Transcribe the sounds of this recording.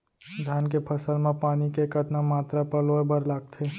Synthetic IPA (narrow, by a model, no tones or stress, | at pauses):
d̪ʱjaːnkepʰɐsəlmẽpaːnikekət̪namaːt̪ɾapəlobəɾlaːɡ̚t̪ʰeː